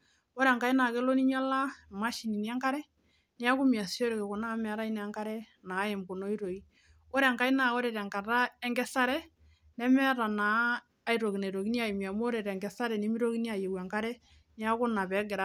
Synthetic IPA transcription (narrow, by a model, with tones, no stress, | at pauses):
o˦ɾɛ˨ŋka˦i˦na˨ke˦lo˦ni˦ɲa˦la˦ma˦ʃi˨ni˨ni˦a˦ŋka˦ɾɛ˦ | ni˦a˦ku˦mi˨a˨si˦o˦ɾe˨ke˨kʊ˨na˦mɛ˨ɾa˦i˦nɛ˨a˦ŋka˦ɾɛ˦ | na˨˦e˨mko˨no˦i˦ɾo˨i˨˦ | o˦ɾɛ˨ŋka˦i˦na˨o˦ɾɛ˨ɾɛ˨ŋka˨ɾa˦ɛ˦ŋɡɛ˦sa˦ɾɛ˦ | nɛ˦mɛ˦ɾa˨naː˨˦ | i˨ɾo˨ki˨na˨ɾo˨ki˦nja˨i˨mi˨a˨mo˦ɾɛ˨ɾɛ˨ŋɡɛ˨sa˦ɾɛ˨ni˦mi˦ɾo˦ki˦ni˦a˨je˨wa˨ŋka˦ɾɛ˦ | ni˦a˦kʊ˦na˨pɛ˨˦ɡɪ˨ɾa˦